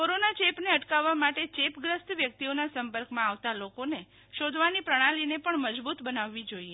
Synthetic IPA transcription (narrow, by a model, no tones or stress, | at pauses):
koɾonat͡ʃepneəʈkaʋːamaʈet͡ʃepɡɾəst̪ʋjək̚t̪ionasəmpəɾkmãaʋt̪alokone | ʃod̪ʱʋanipɾəɽ̃alinepəɳməd͡ʒbut̪bənaʋːid͡ʒoie